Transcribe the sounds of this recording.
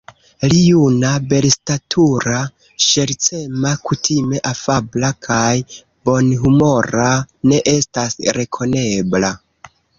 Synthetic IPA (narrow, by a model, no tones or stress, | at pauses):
lijunabe̞ɾstatʰuɾa | ʃe̞ɾt͡se̞makʰutʰime̞ʔafablakʰaj | bo̞nɦumo̞ɾane̞ʔe̞stasɾe̞kʰo̞ne̞bla